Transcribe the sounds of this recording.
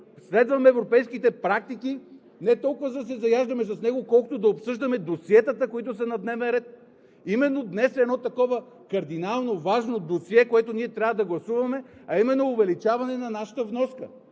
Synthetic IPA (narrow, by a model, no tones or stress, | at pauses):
slɛd̪vɐmɛːvɾopɛjskit̪ɛpɾak̚t̪iki | nɛt̪ɔlˠkʊvəzɐsɛzɐjaʒd̪ɐmɛsɐsnɛɡokɔlˠkʊ̥t̪od̪ɐopsɤʒd̪ɐmɛd̪osiɛt̪ət̪əkoit̪ʊsɐnɐd̪nɛvɛnɾɛt̪̚ | imɛnːod̪nɛsɛd̪nɔt̪ɐkɔvə | kɐɾd̪inalˠnovaʒnod̪osiɛkoɛt̪oniɛt̪ɾʲavɐd̪ɐɡlˠɐsuvɐmɛɐimɛnːoːvɛlit͡ʃavɐnɛnɐnaʃə̥t̪əvnɔskə